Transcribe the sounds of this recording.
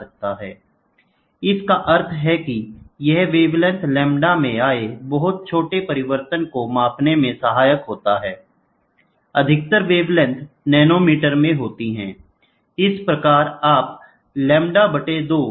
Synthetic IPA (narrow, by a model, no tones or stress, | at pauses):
ɐk̚t̪aɦɛ̰ː | ɪskaʔəɾt̪ʰɦɛkijɛɦʋeːʋlə̃nt̪lɛ̃ːmɖamẽaːebɐɦʊt̪̚t͡ʃʰoːʈepɐɾɪʋəɾt̪ənkomaːpnemẽsəɦaːjəkɦoːt̪aɦɛː | ɐd̪ʱɪk̚t̪əɾʋeːʋlɛ̃nt̪ʰnɛːnoːmiːʈəɾmẽɦoːt̪iɦɛ̰̃ː | ɪspɾɐkaːɾaːp̚ | lɛ̃ːmɖabɐʈed̪oː